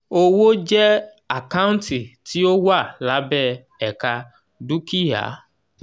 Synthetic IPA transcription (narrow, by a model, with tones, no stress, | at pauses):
o˦wo˦d͡ʒɛ˦ | a˨kã˦ũ˦nti˨ti˨˦o˦wa˦˨la˨˦bɛ˦˨ | ɛ˨ka˧ | du˦ki˦ja̰˨˦